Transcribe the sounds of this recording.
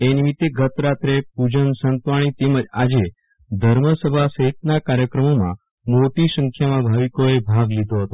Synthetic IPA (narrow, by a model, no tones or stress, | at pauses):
enimit̪ːeɡʱət̪ɾat̪ɾepud͡ʒənsənt̪ʋaɽ̃it̪eməd͡ʒad͡ʒe | d̪ʱəɾməsəbʱasəɦit̪̚nakaɾjəkɾəmomã̰ | moʈisə̃ŋkʰjamãbʱaʋikoebʱaɡlid̪ʱoɦət̪o